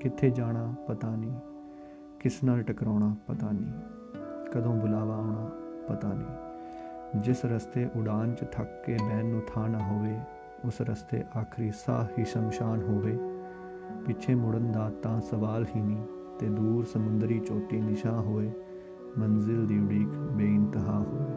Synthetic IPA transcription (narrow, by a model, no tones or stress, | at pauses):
kɪt̪ʰːeːd͡ʒaːɽ̃aːpət̪aːniː | kɪsnaːlʈəkɾɔːɽaːpət̪aːnĩː | kəd̪õːbʊlaːʋaːoːɳaːpət̪aːnḭ̃ː | d͡ʒɪsɾəst̪eːʔʊɽaːnt͡ʃt̪ʰəkːeːbɛːnːũːt̪ʰaːnaːɦoːʋeː | ʊsɾəst̪ḛːʔaːkʰɾiːsa̰ːhiːsəmʃaːnɦoːʋeː | pɪt͡ʃʰeːmʊɽənd̪aːt̪ãːsəʋaːlɦiːnĩː | t̪eːd̪uːɾsəmʊnd̪ɾiːt͡ʃoːʈiːnɪʃãːɦoːeː | mənzɪld̪iːʊɽiːkbeːɪnt̪ɪɦaːoːʋeː